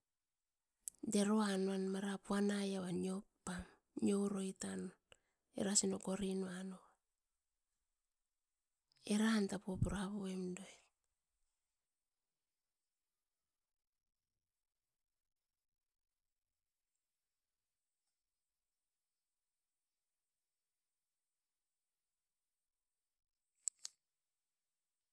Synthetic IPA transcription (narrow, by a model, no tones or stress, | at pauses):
de̞ɾoanoanmaɾapuanajaβanio̞pːam | njo̞wɾo̞jtan | ḛɾasinoko̞ɾinoanoa | eɾaantapuopuɾaβoemdoe